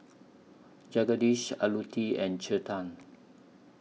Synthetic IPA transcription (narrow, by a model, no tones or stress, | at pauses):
d͡ʒaɡadiʃa̰lutiɛ̃nt͡ʃətãn